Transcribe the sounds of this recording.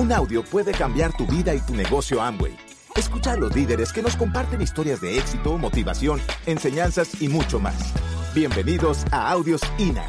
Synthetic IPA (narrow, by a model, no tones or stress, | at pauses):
unawðjo̞pwe̞ðe̞kambjaɾt̪uβiðait̪une̞ɣo̞sjo̞ambwḛj | eskut͡ʃalo̞zliðe̞ɾeske̞no̞sko̞mpaɾt̪e̞nist̪o̞ɾjazðe̞eksit̪o̞mo̞t̪iβa̰sjo̞nense̞ɲansasimut͡ʃo̞ma̰sbje̞mbe̞niðo̞saawðjo̞sina̰